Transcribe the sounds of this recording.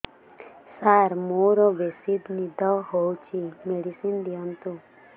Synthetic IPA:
saɾmoːɾoʋesid̪nid̪ɔɦowt͡ʃʰimeɖisind̪ijant̪u

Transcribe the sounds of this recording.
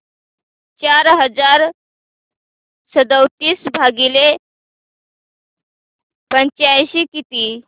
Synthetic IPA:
t͡ɕaɾɦəd͡zaɾ | səd̪əwt̪iːsbʱaɡile | pəɲt͡ɕajɕiːkit̪iː

